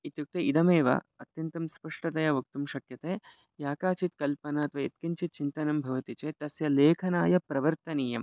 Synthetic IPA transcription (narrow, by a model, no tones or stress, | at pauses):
it̪juk̚t̪eid̪ɐmeːʋɐ̰ɐt̪jɐnt̪ɐmspɐʂʈɐt̪ɐjɐʋɐk̚t̪umʃɐkjɐt̪eː | jaːkaːt͡ʃit̪kɐlpɐnaɐt̪ʋɐjet̪kiɲt͡ʃit̪̚t͡ʃint̪ɐnɐmbʱɐʋɐt̪it͡ʃeːt̪ɐsjɐleːkʰɐnaːjɐpɾɐʋɐɾt̪ɐniːjɐm